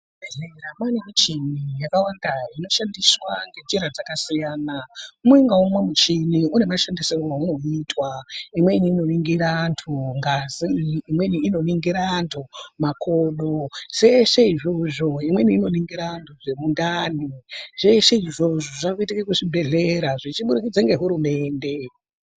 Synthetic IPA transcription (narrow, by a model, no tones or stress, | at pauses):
beɮeɾamwanemit͡ʃinijakawandaino̞ʃandiswaŋɡe̞d͡ʒeɾad͡zakasijaːnaumwe̞ŋɡaumwe̞mut͡ʃiniune̞maʃandiserowauno̞iːtwaimwe̞iniːno̞niŋɡiɾantʰuŋɡaziimwe̞niino̞niŋɡiɾandʰomakʰoːɗoseʂeiʐo̞ʐo̞imweniːno̞niŋɡiɾantʰuʐe̞mundaniʐ̥e̞ʃe̞iʐo̞ʐo̞ʐakoitikekuʐibʱe̞ɮe̞ɾaʐit͡ʃiɓuɾikid͡zaŋɡe̞ɦuɾume̞ːnde̞